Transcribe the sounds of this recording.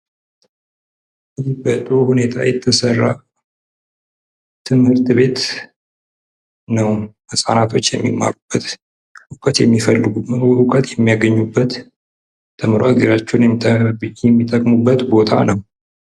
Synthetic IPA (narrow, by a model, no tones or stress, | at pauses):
ɨjibət̪ʼːuhune̞t̪ʰa̰jɛt̪ʰːəsərːa̰ | t̪ʰɨmhɨɾt̪be̞t̪ | nəwmɨsʼanat̪ʰo̞t͡ʃːjɛmːimːa̰ɾub̥ːət̪ | ʔʊkʼət̪jɛmːifəlːɨɡʊkʼət̪jɛmːijaɡəɲːubːət̪ | t̪ʰɨmɾoaɡəɾat͡ʃːɛn | jɛmːit̪ʼːəkʼmubːət̪bo̞t̪ʰanəw